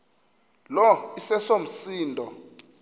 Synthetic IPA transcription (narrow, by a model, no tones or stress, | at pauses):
lɔisɛsom̩siːndʱɔ